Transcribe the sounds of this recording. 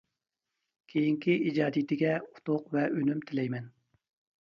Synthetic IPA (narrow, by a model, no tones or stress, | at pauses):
kʲʰejiŋkʲiʔid͡ʒɑːd̪it̪ʰɪɡʲɛu̥t̪ʊqvɛʔønymt̪ʰɪlɛjmɛn